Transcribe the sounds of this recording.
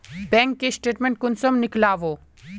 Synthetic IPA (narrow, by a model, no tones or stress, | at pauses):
bɛ̃ːŋkːesʈeːʈmẽɳʈ̚kʊnsəmnɪklaːʋoː